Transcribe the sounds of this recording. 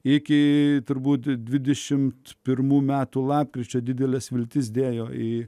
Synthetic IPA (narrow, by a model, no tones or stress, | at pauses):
ɪkʲɪt̪ʊɾbuːt̪d̪ʲʋʲɪd̪ʲɛʃʲɪmt̪pʲɪrmuːmʲæːt̪uːlˠɑːp̚kɾʲɪt͡ʃʲoːd̪ʲɪd̪ʲɛlʲɛsʋʲɪlʲt̪ʲɪs̬d̪ʲeːjoːɪ